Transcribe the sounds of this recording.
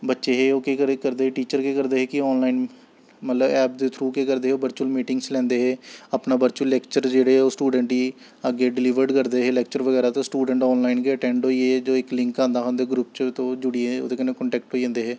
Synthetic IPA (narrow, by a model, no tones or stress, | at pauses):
bətːʃeːɦeːoːkeːkəɾkəɾd̪eːɦeːʈiːt͡ʃəɾkeːkəɾd̪eːɦeːkɪɔːnlaːin | mət̪ləbɛːp̚d̪eːt̪ʰɾuːkeːkəɾd̪eːeoːbəɾt͡ʃuəlmiːʈɪŋɡslɛ̃ːnd̪eːɦeːaːpnaːʋəɾt͡ʃuəlːɛːkt͡ʃəɾd͡ʒeːɽeːoːsʈuːɖə̃ɳʈiː | əɡeːɖɪlɪʋəɾɖkəɾd̪eːɦeːlɛːk̚t͡ʃəɾʋəɡɛːɾaːt̪õːsʈuːɖə̃ɳʈɔːnlaːinkeəʈɛ̃ːɳɖɦoːiːeːd͡ʒoːɪklɪ̃ŋkãːnd̪aːɦõːnd̪eːɡɾupt͡ʃt̪õːd͡ʒʊɽiːeo̰ːd̪eːkənekəɳʈɛːk̚ʈɦoːiːãːnd̪eːɦeː